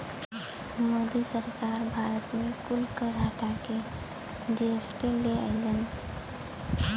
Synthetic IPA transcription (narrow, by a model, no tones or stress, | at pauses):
moːd̪isəɾkaːɾbʱaːɾət̪mẽkʊlkəɾɦəʈake | d͡ʒeːsʈ̪eleə̰ːd͡ʒən